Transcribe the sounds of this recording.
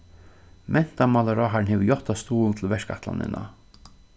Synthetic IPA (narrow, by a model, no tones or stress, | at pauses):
mʔɛn̥t̪amalaɾaɦaɾnhɛʋɪjɔht̪ast̪uːlnt̪ʰɪl̩vɛʂka̰ht̪la̰nɪ̰nʔa̰